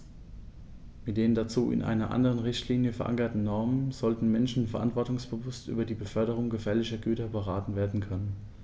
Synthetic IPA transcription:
mɪt̚d̥eːəndat͡suːɪ̰nʔa̰ɪnɐʔa̰ndəʁ̞ənʁɪçtʰliːnjəfɛɐʔa̰ŋkɐtn̩nɔɐmənz̥ɔltn̩mɛnʃn̩fɛɐʔa̰ntv̥ɔɐtʊŋsb̥əvʊstʔy̰ːbɐdiːbəfœɐɾəʁ̞ʊŋɡəfɛːɐlɪçɐɡyːtɐbəʁ̞aːtn̩veːɐdn̩kʰœnən

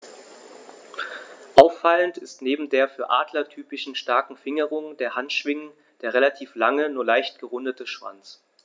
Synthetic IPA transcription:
ʔaʊfːaləntɪstneːbm̩deːɐfyːɐʔa̰ːdlɐtʰyːpɪʃn̩ʃtaɐkŋ̩fɪŋəʁ̞ʊŋdeːɐhantʃv̥ɪŋən | d̥eːɐʁelatʰiːflaŋənuːɐlaɪçt̚ɡ̥əʁʊndətəʃv̥a̰nt͡s

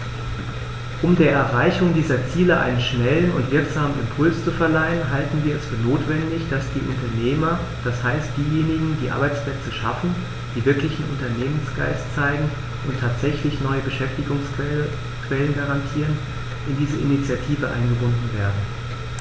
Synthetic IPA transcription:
ʔʊmdeːɐʔɛɐʁaɪçʊŋdiːzɐt͡siːləʔa̰ɪnənʃnɛlənʊ̰ntv̥ɪɐkz̥aːmənɪ̰mpʰʊlst͡sufɛɐlaɪənɦaltn̩viːɐɛsfyːɐnoːtv̥ɛndɪçd̥asd̥iːʔʊ̰ntɐneːmɐ | d̥ashaɪstd̥iːjeːnɪɡŋ̩diːʔa̰ɐbaɪt͡spl̥ɛt͡səʃa̰fn̩ | d̥iːvɪɐklɪçn̩ʔʊ̰ntɐneːmənsɡ̥a̰ɪst͡saɪɡŋ̩ | ʔʊntʰːaːtz̥ɛçlɪçnɔʏəbəʃɛftɪɡʊŋs | kv̥ɛlənɡaʁantʰiːʁən | ɪndiːzəʔɪ̰nit͡sjatʰiːvəʔa̰ɪnɡəbʊndn̩veːɐdn̩

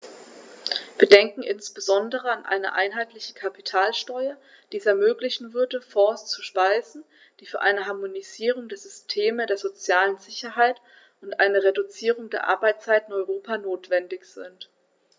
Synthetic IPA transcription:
v̥iːɐdɛŋkŋ̩ʔɪnsb̥əzɔndəʁəanʔa̰ɪnə̰ʔa̰ɪnɦaɪtlɪçə̥kʰapitʰaːlʃtɔʏɐ | d̥iːɛsɛɐmøːklɪçn̩vʏɐdəfɔɐst͡suʃpaɪzn̩ | d̥iːfyːɐʔaɪnəɦaɐmoniziːʁ̞ʊŋdeːɐzʏstʰeːmədeːɐzot͡sjaːlənzɪçɐɦaɪt | ʔʊntʔa̰ɪnəʁedut͡siːʁʊŋdeːɐʔa̰ɐbaɪt͡st͡saɪtɪnɔʏʁoːpʰanoːtv̥ɛndɪçz̥ɪ̰nt

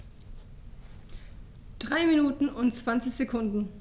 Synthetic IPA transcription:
d̥ʁaɪminuːtn̩ʊnt͡sv̥ant͡sɪçz̥ekʰʊndn̩

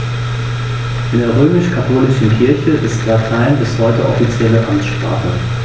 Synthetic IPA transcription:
ʔɪndeːɐʁ̞øːmɪʃkʰatʰoːlɪʃn̩kʰɪɐçəʔɪstlatʰaɪnbɪshɔʏtəʔɔ̰fit͡sjɛləʔamtʃpʁ̥a̰ːχə̰

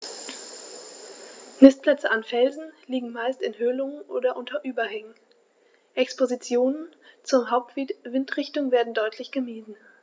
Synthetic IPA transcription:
nɪst̚pl̥ɛt͡səʔanfɛlzn̩liːɡŋ̩maɪstɪnɦøːlʊŋənʔoːdɐʔʊntʰɐʔyːbɐhɛŋən̩ | ʔɛkspozit͡sjoːnənt͡sʊɐɦaʊp̚tv̥ivɪntʁɪçtʊŋveːɐdn̩dɔʏtʰlɪçɡ̥əmiːzn̩

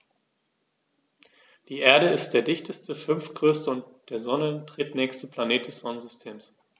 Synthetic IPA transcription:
d̥iːʔeːɐɾəɪst̚d̥eːɐdɪçtʰəstəfʏnftɡ̥ʁøːstəʊntd̥eːɐzɔnətʁ̥ɪtnɛːçstəpʰl̥aneːt̚d̥ɛsz̥ɔnənzʏstʰeːms

